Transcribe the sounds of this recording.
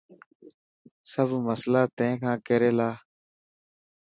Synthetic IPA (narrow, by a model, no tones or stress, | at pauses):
səbməslaːt̪ẽːkʰãːkeɾeːlaː